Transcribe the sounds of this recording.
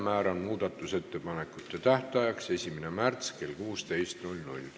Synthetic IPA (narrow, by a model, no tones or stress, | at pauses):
mæːɾɑnmuːd̪̥ɑt̪ːˑuse̞t̪ːe̞pɑne̞kːˑut̪ːˑe̞t̪æht̪ɑjɑkse̞sʲimenemært̪ske̞lkuːst̪e̞jst̪nulʲnṵlʲ